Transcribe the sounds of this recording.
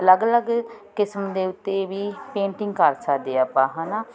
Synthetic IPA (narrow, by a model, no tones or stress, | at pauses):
ələɡələɡkɪsəmd̪eːʊt̪ːeːʋiːpẽːɳʈɪŋɡkəɾsəkd̪eːəːpãːɦãːnaː